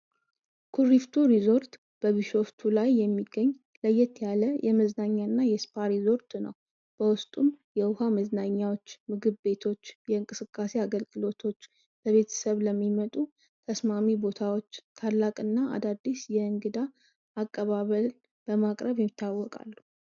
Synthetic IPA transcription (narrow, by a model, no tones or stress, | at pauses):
kʰuɾift̪ʰuɾizo̞ɾt̪ | b̥əβɨʃo̞ft̪ʰulajːɛmːiɡːəɲː | ləjːɛt̪ʰjaləjɛməznaɲːanːajɛspʰaɾizo̞ɾt̪nə̰w | b̥əwʊst̪ʼumjɛʊhaməznaɲːawo̞t͡ʃːmɨɡɨβːe̞t̪ʰo̞t͡ʃːjɛɨŋkʼɨsɨkʼːase̞aɡəlɡɨlo̞t̪ʰo̞t͡ʃː | b̥əβe̞t̪ʰə̥səβləmːimət̪ʼu | t̪ʰəsmamibo̞t̪ʰawot͡ʃːt̪ʰalːakʼɨnːaʔa̰d̪ad̪ːisjɛɨŋɡɨd̪aː | kʼːəβaβəl | b̥əmakʼɾəβjɛmːit̪ʰːawːɔkʼa̰lːu